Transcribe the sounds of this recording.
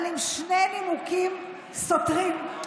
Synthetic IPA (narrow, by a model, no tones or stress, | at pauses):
limʃnemimukim | sotʁim